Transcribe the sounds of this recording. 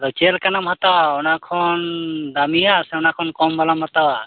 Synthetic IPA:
ɾɔt͡ʃɛlkanamhat̪awaɔnakʰɔnd̪amiasɛɔnakʰɔnkɔmbalamhat̪awa

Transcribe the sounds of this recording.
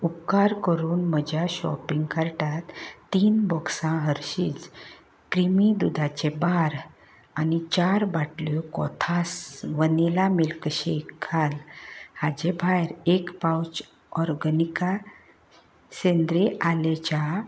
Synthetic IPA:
upkaɾkəɾuːnməd͡ʑʱjaɕɔ̰piŋɡkaɾʈat̪ːiːnbɔksãɦəɾɕiːt͡s | kɾimid̪ud̪ʱat͡ɕebaɾ | anit͡ɕaɾbaʈljɔkɔ̰t̪ʰasʋənilamilkəɕekʰːalhad͡ʑebʱajɾekpawt͡ɕ | ɔɾɡənika | send̪ɾeʔalet͡ɕa

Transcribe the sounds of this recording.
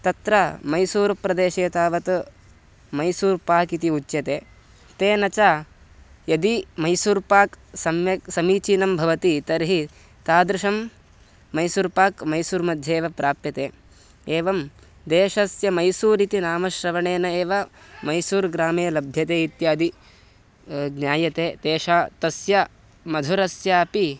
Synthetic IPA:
t̪ɐt̪ɾamɐjsuːɾpɾɐd̪eːʃeːt̪aːʋɐt̪ | mɐjsuːɾpaːkit̪iut͡ʃːjɐt̪eː | t̪eːnɐt͡ʃaː | jɐd̪imɐjsuːɾpaːksɐmjɐksɐmiːt͡ʃiːnɐmbʱɐʋɐt̪it̪ɐɾɦi | t̪aːd̪ɾuʃɐmː | ɐjsuːɾpaːkmɐjsuːɾmɐd̪ʱjeːʋɐpɾʔaːpjɐt̪eː | eːʋɐm | d̪eːʃɐsjɐmɐjsuːɾit̪inaːmɐʃɾɐʋɐɳeːnɐeːʋɐmɐjsuːɾɡɾaːmeːlɐbʱjɐt̪eːit̪jaːɐd̪i | ɡnjaːjɐt̪eːt̪eːʃaːt̪ɐsjɐ | mɐd̪ʱuɾɐsjaːɐpi

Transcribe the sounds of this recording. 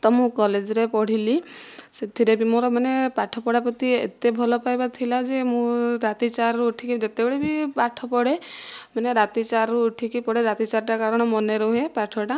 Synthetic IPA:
t̪ɔmũkɔled͡ʒɔɾepɔɽ̤iliset̪ʰiɾebimɔ̃ɾɔmanepaʈʰɔpɔɽapɔt̪iḛt̪ebʱɔlɔpajbat̪ʰilad͡ʒemũɾat̪it͡ʃaɾuːʈʰikid͡ʒet̪ebeɭebipaʈʰɔpɔɽemaneɾat̪it͡ʃaɾuːʈʰikipɔɽeɾat̪it͡ʃaɾʈakaɾɔɽ̃ɔmɔneɾoɦepaʈʰɔʈa

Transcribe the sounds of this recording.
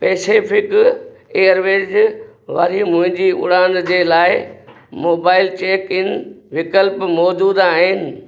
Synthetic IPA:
peːseːfʰɪk | eːəɾʋeːd͡ʑʋɐ̰ɾimʊ̃ɦɪ̃ɲd͡ʑiʊ̰ɽãːnd̪d͡ʑeːlaːɪ | moːbaːɪlt͡ɕeːkɪnʋɪkəlpmoːd͡ʑuːd̪aːɦɪnɪ̆

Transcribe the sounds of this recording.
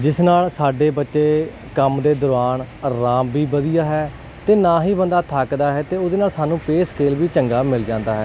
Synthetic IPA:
d͡ʒɪsnaːlsaːɖeːbətːʃeː | kəmd̪eːd̪ʊɾʋaːnɾaːmbiːbəd̪ijaːɦɛː | t̪eːnãːɦiːbənd̪aːt̪ʰaːkd̪aːɦɛːt̪eːod̪eːnaːlsaːnũːpeːskeːlʋiːt͡ʃəŋɡaːmɪld͡ʒãːnd̪aːɦɛː

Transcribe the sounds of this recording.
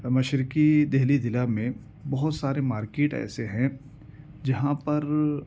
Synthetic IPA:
mɐʃɾɪkid̪ɛɦlid̪ɪlamẽ | bɐɦʊt̪saːɾemaːɾkeːʈɛ̰ːseɦɛ̃ | d͡ʒɐɦãpɐɾ

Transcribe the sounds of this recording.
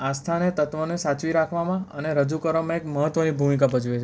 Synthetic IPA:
ast̪ʰanet̪ət̪ʋonesat͡ʃʋiɾakʰʋamãəneɾəd͡ʒukəɾʋamãekməɦət̪ʋənibʱumik̬abəd͡ʒuet͡ʃʰe

